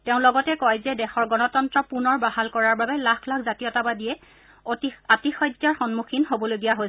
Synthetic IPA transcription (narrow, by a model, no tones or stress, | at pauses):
teʊ̃lɔɡɔtɛkɔjzɛdɛxɔɹɡɔnɔtɔntɹɔpunɔɹbaɦalkɔɹaɹbabɛlakʰlakʰzatijɔtabadijɛ | tatixɔjdːaɹxɔnmukʰinɦobɔlojɡijaɦojs